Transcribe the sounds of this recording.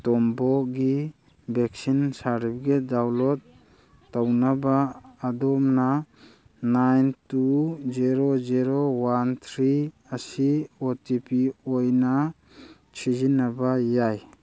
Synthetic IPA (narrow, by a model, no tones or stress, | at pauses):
tɔmbɔɡi | bek̚sinsaɾip̚ɡedawlɔtː | awnabaːdɔmna | najntuziɾoziɾowant̪ʰɾi | asiotipiojna | sʰizinabajaj